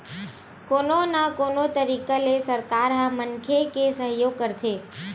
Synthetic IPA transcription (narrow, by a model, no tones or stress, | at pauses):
kononakonot̪əɾikəlesəɾkaɾɦamənkʰekesəɦjoɡ̚kəɾt̪ʰe